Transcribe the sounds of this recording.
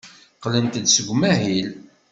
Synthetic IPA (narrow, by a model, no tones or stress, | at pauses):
qlənt̪d̪səɡʷmæɦil